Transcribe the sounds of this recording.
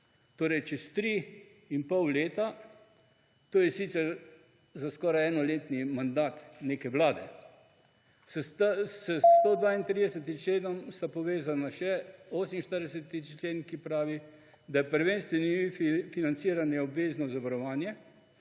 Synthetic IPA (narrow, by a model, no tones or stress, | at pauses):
t̪oːɾɛjt͡ʃɛst̪ɾi | inpɔwleːt̪a | t̪oːjɛsit̪sɛɾ | zaskɔːɾajɛːnɔleːt̪nimand̪aːt̪neːkɛʋlaːd̪ɛ | sɛt̪ssɛst̪od̪ʋaːint̪ɾid̪ɛsɛt̪imt͡ʃleːd̪ɔmst̪apɔʋeːzanaʃɛoːsminʃt̪əɾd̪ɛsɛt̪it͡ʃleːnkipɾaːʋi | d̪ajɛpəɾʋeːnst̪ʋɛnifinant̪siːɾanjɛɔbʋeːznɔzaʋaɾɔʋaːnjɛ